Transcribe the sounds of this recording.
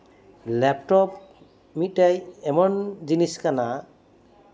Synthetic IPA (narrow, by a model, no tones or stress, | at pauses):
lɛp̚ʈɔp̚ | mit̚ajɛmɔnd͡ʒiniskana